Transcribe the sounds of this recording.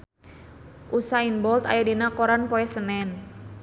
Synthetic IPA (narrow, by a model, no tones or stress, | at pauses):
ʔusainbɔlt̪a̰jadinakɔɾanpɔɛsənɛn